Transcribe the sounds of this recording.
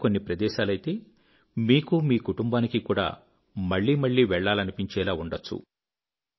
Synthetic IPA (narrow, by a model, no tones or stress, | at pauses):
ko̞nːipɾɐd̪ɛːʃaːlɐjit̪e̞ː | miːkumiːkuʈumbaːnikikuːɽa̰ː | mɐɭːiːmɐɭːiːʋɛɭːaːlɐnipiɲt͡ʃɛːlaːuɳɖɐt͡ʃːṵ